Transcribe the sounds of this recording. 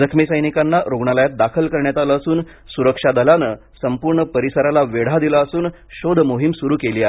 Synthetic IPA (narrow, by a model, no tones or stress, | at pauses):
d͡zəkʰmisəjnikanːaɾoɡɳaləjat̪̚d̪akʰəlkəɾɳjat̪alaːsuːn | suɾəkʂad̪əlanə | səmpuɾɳəpəɾisəɾalaʋeɽ̤ad̪ilaəsuːn | ɕod̪ʱmoɦimsuɾuːkeliːaɦe